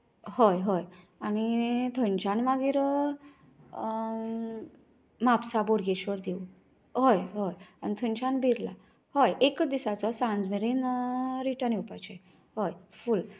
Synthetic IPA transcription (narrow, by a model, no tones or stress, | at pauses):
hɔjɦɔj | anit̪ʰəɲt͡ɕanmaɡiɾ | mapsaboɽɡeɕʋəɾd̪eu | ɦɔjɦɔjañit̪ʰənt͡ɕanbiɾla̰ | hɔjekd̪isat͡sɔsãnd͡zmeɾenɾiʈənjepat͡ɕej | hojful